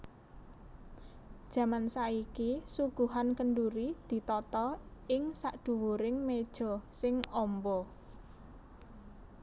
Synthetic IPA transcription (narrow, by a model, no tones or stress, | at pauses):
d̥ʒ̥ä̤mansaikisuɡ̥ṳɦankənɖuɾid̪̥i̤t̪ɔt̪ɔɪŋsaʔɖ̪̥ṳwoɾɪŋmed̥ʒ̥ɔ̤sɪŋɔmbɔ